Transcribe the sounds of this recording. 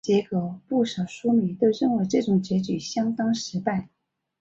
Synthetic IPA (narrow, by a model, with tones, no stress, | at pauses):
t͡ɕjɛ˧˥kɤ˧˥pu˥˩ʂɑ˨˩ʊʂu˥mi˨˧˥t̪ɪɻə˥˩nxə˧˥ɪʈ͡ʂɤ˥˩ʈ͡ʂʊ˨˩ŋt͡ɕjɛ˧˥t͡ɕy˨˩ɕjɑ˥ŋt̪ɑ˥ŋʂɻ̩˧˥pa˥˩ɪ